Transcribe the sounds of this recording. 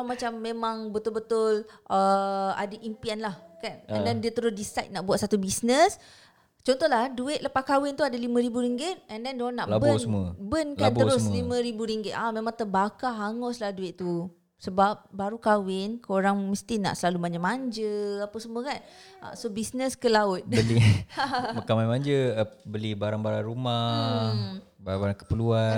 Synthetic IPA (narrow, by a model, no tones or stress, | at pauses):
mat͡ʃamːemãŋbət̪ʊlbət̪ʊlʔəa̰daʔimpianlahkanɛ̰ndɛndiat̪əɾʊsdisajt̪̚naʔbuat̪̚sat̪ubisnəs | t͡ʃɔnt̪ɔɦlahduɪt̪̚ləpakawɪnt̪uadalimãɾibuɾiŋɡɪt̪̚ɛndɛndonːaʔabənmbənkant̪əɾʊslimãɾibuɾiŋɡɪt̪̚amemãŋt̪əbakaɦaŋɔslahduɪt̪t̪u | səbap̚baɾukawɪnkoɾaŋməst̪ina̰ʔsəlalumaɲd͡ʒəmaɲd͡ʒəapəsəmuəkanʔa̰sobisnəskəlaʊt̪̚bəli | məkawanmaɲd͡ʒəbəlibaɾaŋbaɾaŋɾuma | baabaɾaŋkə̥pəlua